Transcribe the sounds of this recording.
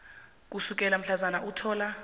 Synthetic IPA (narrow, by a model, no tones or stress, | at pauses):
k̬ʼusuk̬ʼɛlam̩ɬazanaʔutʰɔːla